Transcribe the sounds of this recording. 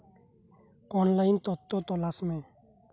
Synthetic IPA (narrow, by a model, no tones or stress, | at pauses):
ɔnlajnt̪ɔt̪ːot̪ɔlasmẽ